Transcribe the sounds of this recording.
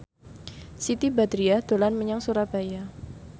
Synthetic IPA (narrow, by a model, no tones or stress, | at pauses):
sit̪ibad̪ɾiad̪̥olanməɲaŋsuɾapaja